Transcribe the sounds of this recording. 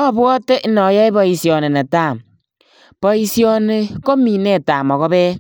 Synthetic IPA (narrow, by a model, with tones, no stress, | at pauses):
ɔ˦˨bɔ˦te˦ʔi˦nɔ˨˦jɛ˦i˦bɔ˨i˨sjɔ˨ne˨nɛ˨taː˦˨m | pɔ˨i˨si˦ɔ˦ne˨ko˦mi˨nɛ˦˨ta˨mɔ˨ɣɔ˦bɛː˦